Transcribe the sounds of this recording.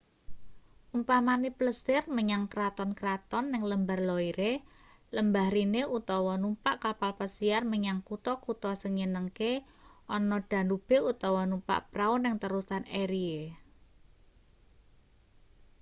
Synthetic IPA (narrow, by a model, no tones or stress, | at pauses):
ʔumpamanipləsɪrməɲaŋkɾat̪ɔnkɾat̪ɔnːɪŋləmbarlɔiɾe | ləmbahɾineut̪ɔwɔnumpaʔkapalpəsiarməɲaŋkut̪ɔkut̪ɔsəŋɲənəŋke | ʔɔnɔd̥a̤nub̥e̤ut̪ɔwɔnumpa̰ʔpɾaʊnɪŋt̪əɾusaneɾie